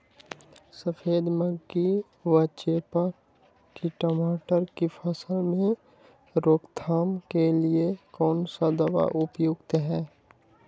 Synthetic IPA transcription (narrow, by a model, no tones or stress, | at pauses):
səfʰeːd̪məɡi | ʋət͡ʃepə | kiʈɔmaːʈəɾkipʰəsəlmẽ | ɾoːkt̪ʰaːmkeliekɔːnsad̪ɐʋa̰ʔʊpjoɡt̪ɦɛː